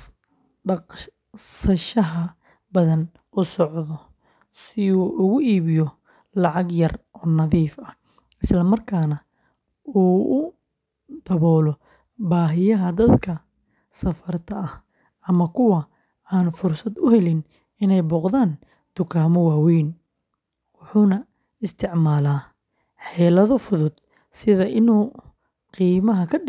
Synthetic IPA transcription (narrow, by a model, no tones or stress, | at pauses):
ɖɑq | sɐʃɐɦɐ | bɐðɐn | ʔʊsɔʕðɔ | sɪuːʔʊɣʊʔiːβɪjɔ | lɑʕɑɡjɐrʔɔːnɐðiːfɐh | ɪslɐmɐrkʰaːnɐ | uːʔʊ | d̪̥ɐβɔːlɔ | baːɦɪjɐɦɐd̪ɐd̪kʰɐ | sɐfɐrt̪ʰɐɐh | ɐmɐkʰʊwɐ | aːnfʊrsɐd̪ʊɦɛlɪn | ɪnɛjbɔːqðaːn | d̪̥ʊkʰaːmɔwaːwɛjn | wʊħuːnɐ | ɪst̪ʰɪʕmaːlaː | ħɛːlɐðɔfʊðʊd̪ | sɪðɐʔɪnuː | qiːmɐɦɐkʰɐɖ